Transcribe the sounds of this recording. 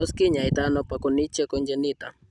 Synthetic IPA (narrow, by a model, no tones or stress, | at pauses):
oskiɲait̪anopakonit͡ʃekond͡ʒenit̪a